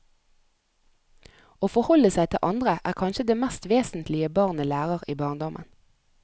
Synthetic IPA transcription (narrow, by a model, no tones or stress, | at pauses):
oːfɔhɔləsæɪt̪ʰɪ̰ʔɑnd̪ʁəʔæːʁkʰɑnʃəd̪eːmæst̪ʋeːsn̩t̪ʰlɪəbɑʁnəlæːʁəʁiːbɑːʁnd̪ɔmʔə̰n